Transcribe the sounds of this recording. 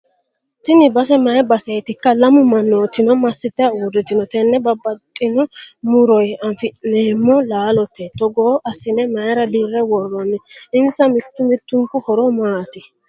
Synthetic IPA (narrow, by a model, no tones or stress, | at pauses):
t̪ɪnɪbɐs̬ɛmɐjɛbɐsɛjt̪ɪkːɐlɐmʊmɐnːoːt̪ːɪnɔmɐsːɪt̪ːɛɐuːdɪt̪ːɪnɔt̪ɛnːɛbɐbːɐt̪ʼːɪnɔmʊɾɔjɐɱfɪneːmːɔlaːlɔt̪ːɛt̪ɔɡoːʔɐsɪnɛmɐjɛɾɐd̪iːrːɛwɔrːɔnːɛɪnsɐmɪt̪ːʊmɪt̪ːʊŋkʊhɔɾɔmaːt̪ɪ